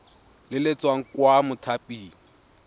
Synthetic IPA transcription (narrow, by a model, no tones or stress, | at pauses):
lɪlet͡sʼwaŋ̩kwamʊtʰapʼiːŋ̩